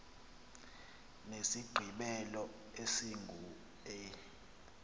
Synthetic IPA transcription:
nesiɡ͡ǃʱiɓɛlɔ | esiŋɡʱu | ɛ

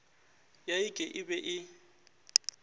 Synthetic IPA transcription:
jaɪkʼɛʔɪbɛʔɪ

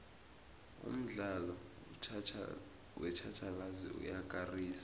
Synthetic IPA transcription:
ṵm̩ɮalɔ | wɛt͡ʃʰat͡ʃʰaɓazḭṵjak̬ʼariːsḁ

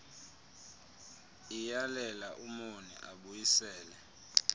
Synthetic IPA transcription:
ijalɛlaʔumonḭʔaɓujisɛːlɛ

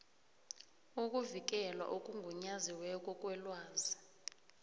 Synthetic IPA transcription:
ukʼuvik̬ʼɛlwa̰ʔokʼuŋɡʱuɲaziwɛkʼɔkʼwɛlwaːzi

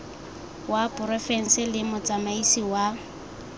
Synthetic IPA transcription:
wapʼʊrɔfɛn̩sɪlɪmʊt͡samaisiwa

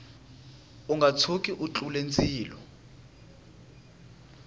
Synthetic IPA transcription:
uŋɡʱat͡sʰokʼiʔut͡ɬʼulent͡sʰʼiːlɔ

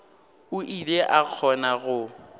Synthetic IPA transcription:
ʊʔileʔak͡xʰɔnaɣʊ

